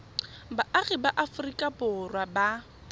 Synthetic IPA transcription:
baʔaɣibaʔafʊrikʼapʊrwaba

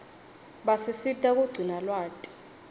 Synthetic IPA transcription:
ɓasisitʼak̬uɡ͡ǀʱinalwaːtʼi̥

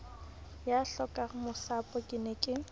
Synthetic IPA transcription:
jaɬɔkʼaχmʊsapʼɔkʼɪnɛkʼɪ

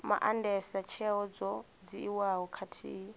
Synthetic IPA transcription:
ma̰ʔandɛsat͡ʃʰɛɦɔd͡zɔ | d͡ziːwaɦɔkʰatʰḭːi

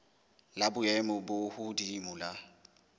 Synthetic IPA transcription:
labʊɛmʊbʊhʊdimʊla

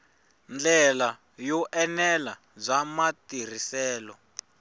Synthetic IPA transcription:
nd͡ɮɛla | jɔʔɛnɛla | zamatir̤isɛːlɔ

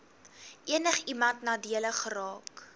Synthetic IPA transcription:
ʔiənəχimɐntnɑːdiələχərɑːk

